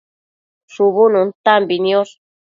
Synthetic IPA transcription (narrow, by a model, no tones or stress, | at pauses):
ʂuβunũnt̪ambinios